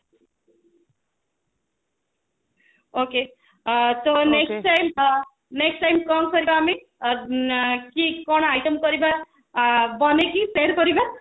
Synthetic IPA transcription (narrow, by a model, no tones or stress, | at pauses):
oke | t̪oneksʈajm | neksʈajmkʌŋsʌɾibaːmi | kikʌɽ̃ajʈʌmkʌɾiba | bʌnekiseɾpʌɾiba